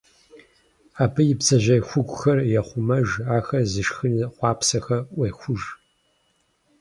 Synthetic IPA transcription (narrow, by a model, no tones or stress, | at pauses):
aːpʰɐjɪpsɐʒɐxʷʊɡʷʼʊxɐrjɛχʷʊmɐʒaːxɐzɨʂxɨnχʷɑːpsɐxɐʔʷeːxʷʊʒ